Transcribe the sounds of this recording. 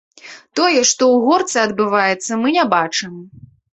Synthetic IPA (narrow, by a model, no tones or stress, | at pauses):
t̪ɔjɛʂt̪ɔwɣɔrt̪sɨɐd̪bɨvajɛt̪sːɐmɨnʲabat͡ʂɨm